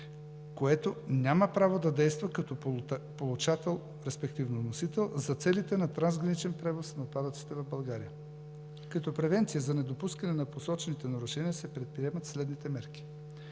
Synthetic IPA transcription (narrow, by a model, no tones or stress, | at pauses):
koɛt̪onʲaməpɾavod̪ɐd̪ɛjst̪vɐkɐt̪ɔpolˠut͡ʃat̪ɛlˠ | ɾɛspɛkt̪ivnonosit̪ɛlˠzɐt̪sɛlit̪ɛnɐt̪ɾanzɡɾɐnit͡ʃɛnpɾɛvosnɐot̪̚pad̪ət̪si̥t̪ɛvɐvbɐlˠɡaɾijə | kɐt̪ɔpɾɛvɛnt̪sijəzɐnɛd̪opuskɐnɛnɐposɔt͡ʃɛnit̪ɛnɐɾuʃɛniəsɛpɾɛt̪̚pɾiɛmɐt̪slɛd̪nit̪ɛmɛɾkʲi̥